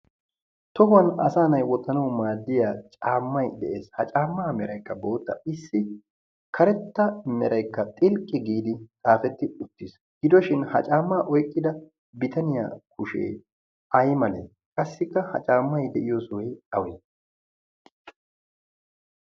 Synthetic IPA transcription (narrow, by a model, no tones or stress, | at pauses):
t̪ɔɦʊɐnɐsaːnɐjwɔt̪ːɐnɐwmaːd̪ːɪjaːt͡ʃʼaːmːɐjd̪ɛʔeːshɐt͡ʃʼaːmːaːmɛɾɐjkːɐbo̞ːt̪ːɐ̰ɪsːɪ | kʰɐɾɛt̪ːɐmɛɾɐjkːɐt̪ʼɪlkʼːɪɡiːd̪ɪt̪ʼaːfɛt̪ːɪʊt̪ːɪs | ɡɪd̪ɔʃɪnhɐ̰t͡ʃʼaːmːaːʔɔjkʼːɪd̪ɐ | bɪt̪ɐnɪja̰ːkʰʊʃḛː | ɐjmɐlḛː | kʼɐsːɪkːɐhɐ̰t͡ʃʼaːmːɐjd̪ɛʔɪjɔswɛjɐwɛ